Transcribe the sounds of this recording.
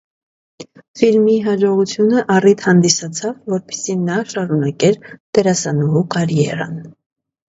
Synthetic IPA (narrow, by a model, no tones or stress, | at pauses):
filmiɦɑd͡ʒɔʁut͡sʰjunəʔɑrit̪hɑnd̪isɑt͡sʰɑvːɔɾpɛ̥sinɑʃɑɾunɑkɛɾt̪ɛɾɑsɑnɔukɑɾjɛ̰ɾɑ̰n